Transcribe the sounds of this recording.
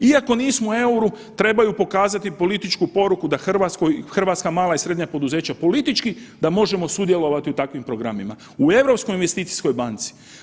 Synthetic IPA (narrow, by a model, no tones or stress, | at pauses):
iako̞niːsmoe̞uɾu | t̪ɾe̞bajupo̞kaːzat̪ipo̞lit̪it͡ʃkupo̞ɾukud̪axr̩ʋat̪skojxr̩ʋaːt̪skamaːlˠaisɾe̞d̪ɲapo̞d̪uze̞ːt͡ɕapo̞lit̪it͡ʃkid̪amo̞ʒe̞mo̞sud̪je̞lo̞ʋat̪iut̪akʋimpɾo̞ɡɾamima̰ | ue̞ʋɾo̞psko̞jinʋe̞st̪iːt̪si̥sko̞jbant̪si̥